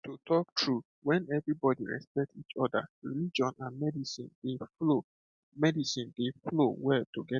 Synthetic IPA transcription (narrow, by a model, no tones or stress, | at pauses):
tutʰɔk̚tʰɹu | wɛ̃nɛvɹibɔdḭɹɛ̰spɛk̚tit͡ʃɔda̰ɹḭlid͡ʒɔ̃nãnmɛdisḭ̃nd̥elo | mɛdisĩndeflowɛltoɡɛ